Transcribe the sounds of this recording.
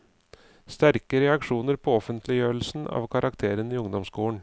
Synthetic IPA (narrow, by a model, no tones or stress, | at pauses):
st̪æɾkəɾɛɑkʂuːnəɾpʰɔɔfənt̪ʰlɪjøːəɭ̩sn̩ɑ̰ːʋkʰɑɾʔɑkt̪ʰeːɾəniːʊŋd̪ɔmskuːəɳ